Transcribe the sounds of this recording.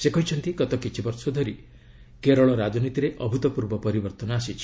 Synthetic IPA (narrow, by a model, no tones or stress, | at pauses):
sekɔɦit͡ʃʰɔnt̪iɡɔt̪ɔkit͡ʃʰibɔɾsɔd̪ʱɔɾi | keɾɔɭɔɾad͡ʒɔnit̪iɾeʔɔbʱut̪ɔpuɾbɔpɔɾibɔɾt̪ɔnɔasit͡ʃʰi̥